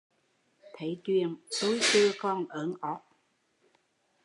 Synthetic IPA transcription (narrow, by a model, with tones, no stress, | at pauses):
t̪ʰe˨˧˩jt̪wi˧˩ənsu˨˦˥jtɨ˧kɔ˧nʔəː˨˦nʔɔ˨˥˩k̚